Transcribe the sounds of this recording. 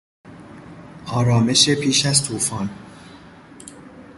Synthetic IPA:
ʔɒːɾɒːme̞ʃepʰiːʃæzt̪ʰuːfɒːn

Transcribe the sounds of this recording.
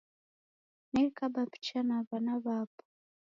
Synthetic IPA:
nɛikabapi̥t͡ʃanaβanaβapɔ̥

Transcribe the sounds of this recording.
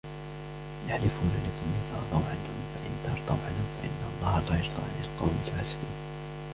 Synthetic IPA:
jaħlɪfuːnalɪkʊmʔɪnt̪ɑɾˤt̪ˤɑwʕanhʊmfaʔɪnt̪ɑɾˤt̪ˤɑwʕanhʊmfaʔɪ̰nːɑlˤːɑːhlaːjʊɾt̪ˤɑ̰ʕnɪlqɑwmɪlfaːsɪ̥qḭːn

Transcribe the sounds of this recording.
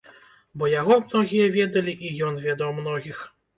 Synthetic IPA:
bɔjaɣɔmnɔɣʲijɐvʲed̪ɐlʲiʔijɔnvʲɛd̪ɐwmnɔɣʲix

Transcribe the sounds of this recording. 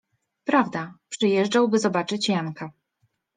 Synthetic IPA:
pɾavd̪apʂɘjɛʐd͡ʐawbɘzɔbat͡ʂɘt͡ɕjaŋka

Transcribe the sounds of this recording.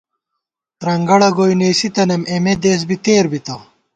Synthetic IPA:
t̪ɾɐŋɡɐɽɐɡoːjneːsit̪ɐnɐmemed̪eːs̬bit̪eːɾbit̪ɐ

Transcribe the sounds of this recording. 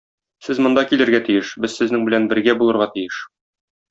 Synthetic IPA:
sɘzmŏnd̪ɑkilɘ̆ɾɡæt̪ijɘʃbɘzsɘ̆znɘŋbɘ̆lænbɘ̆ɾɡæbulˠɤ̆ɾʁɑt̪ijɘʃ

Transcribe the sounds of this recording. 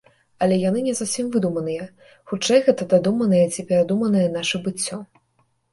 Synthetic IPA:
ɐlʲɛjan̪ɨnʲɛzuwsʲimvɨd̪umɐnɨjɐ | xut͡ʂɛjɣɛt̪ɐd̪ad̪umɐnɨjɐt͡sʲipʲɛɾad̪umɐnɨjɐnaʂɛbɨt͡sʲːɔ

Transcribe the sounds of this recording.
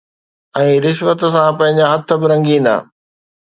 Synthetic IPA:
ɛ̃ːɾɪʃʋət̪̆sãpɐ̃ɦɪ̃ɲd͡ʑaɦɐt̪ʰə̆bɪɾɐ̃ŋɡĩːnd̪a̰ː

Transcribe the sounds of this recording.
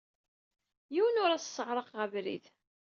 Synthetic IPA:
jiwənʊɾæt͡ssːəʁɾˤəqʁəvɾḭð

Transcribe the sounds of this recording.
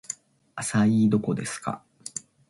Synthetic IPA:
asaiːd̪o̞ko̞d̪e̞sɨ̥ka̰

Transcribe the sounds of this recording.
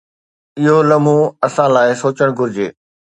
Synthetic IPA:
ɪɦolɐmũɐsãːlaːɪsoːt͡ɕəɽ̃ɡʊɾɪd͡ʑeː

